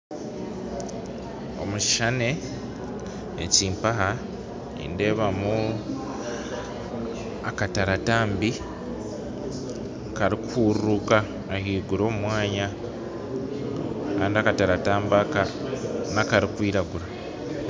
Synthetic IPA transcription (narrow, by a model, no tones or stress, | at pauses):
o̞̰muci̥ʃane̞ | ciːmpaɦa | ḭnde̞ːβamu | akataɾataːmbi | kaɾikhuːɾrukaː | hiːɡuɾo̞ːmumwaːɲa | kaːndiakataɾataːmbakanakaɾikwiːɾaɡuɾa